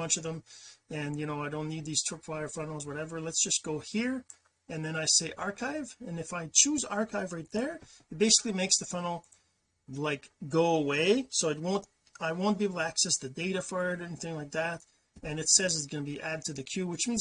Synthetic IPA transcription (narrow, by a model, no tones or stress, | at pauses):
ʌ̃nt͡ʃʌvðə̃mɨ̃njɨñoʊaɪɾõʊ̃nːid̪̚ðiz̥tʰɹ̥ɪpʰwaɪə˞fʌ̃nl̩ˠzwʌɾɛvə˞lətsd̥ʒ̥ʌsɡ̥oʊhiɹ | ɨ̃nðɨ̃ñaɪseɪʔɑɹkʰaɪvɨ̃nɨfaɪt͡ʃʰʉzɑɹkʰaɪvɹaɪt̪̚ðə˞ɨt̚b̥eɪsɪ̥klimeɪksðɨfʌ̃nl̩ˠ | laɪkɡ̥oʊəweɪsoʊɨt̚wõʊ̃nt | aɪwõʊ̃n̚b̥iɪblˠtɨæksɛsðɨdeɪɾɨfə˞ɾɛniθɪ̃ŋlaɪk̚ðæɾ | ɨ̃nɨtsɛzɨtsɡ̥ʌnəbiʔæd̚tʰɨðɨkʰj̥ʉwɨt͡ʃmĩn